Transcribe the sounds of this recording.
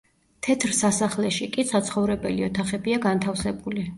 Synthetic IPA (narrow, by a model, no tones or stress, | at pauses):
t̪ʰɛt̪ʰɾsasaχlɛʃikʼisat̪sʰχɔvɾɛbɛliɔt̪ʰaχɛbiaɡant̪ʰafsɛbuli